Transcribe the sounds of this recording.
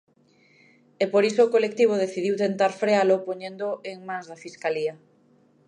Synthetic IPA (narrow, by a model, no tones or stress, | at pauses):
epoɾisoːkolek̚t̪iβ̞oð̞eθiðiwt̪ent̪aɾfɾealopoɲẽnd̪oʔeŋmãŋzðafiskalia